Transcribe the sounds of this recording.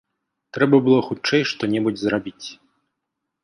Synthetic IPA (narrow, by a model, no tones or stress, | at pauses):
t̪ɾɛbɐbɨlˠɔxut͡ʂɛjʂt̪ɔnʲɛbud͡zʲzɾabʲit͡sʲ